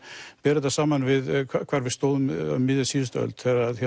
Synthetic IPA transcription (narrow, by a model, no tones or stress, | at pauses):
pɛːɾɪt̪asaːmanvɪðkʰakʰvaːɾvɪst̪oːwðʏmmɪðjasiːðst̪œ̰lt̪θɛɾaðça